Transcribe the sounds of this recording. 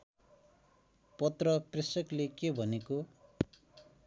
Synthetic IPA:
pʌt̪rʌprisʌklekebʱʌneko

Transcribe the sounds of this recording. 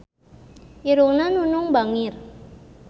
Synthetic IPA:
ʔiɾuŋnanunʊŋbaŋɪr

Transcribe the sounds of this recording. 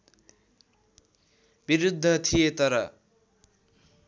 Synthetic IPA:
biɾud̪ʱːʌt̪ʰijet̪ʌɾʌ

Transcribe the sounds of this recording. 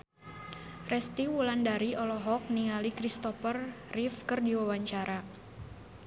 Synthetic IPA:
rɛst̪iwulandaɾiɔlɔɦɔk̚niŋalikɾist̪ɔfərrifkərdiwawaɲt͡ʃaɾa

